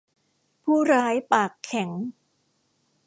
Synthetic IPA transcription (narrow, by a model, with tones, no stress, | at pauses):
pʰuː˥˩ɾaː˦˥jpaː˨˩kʰːɛ˩˦ŋ